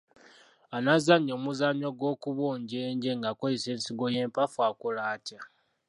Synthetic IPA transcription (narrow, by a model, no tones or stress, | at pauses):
anazaɲːo̞ːmuzaɲoɡwo̞ːkuβoːɲɟeːɲɟe̞ŋɡakoiseːnsiɡo̞je̞ːmpafuakulaːta